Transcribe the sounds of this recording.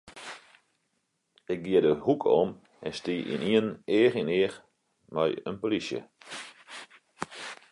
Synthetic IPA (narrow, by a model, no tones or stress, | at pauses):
ɪk̚ɡiədəhukʰɔ̰m | ɛnstiːʔḭniəneːχinɪər | mɛjə̰npolisjə̰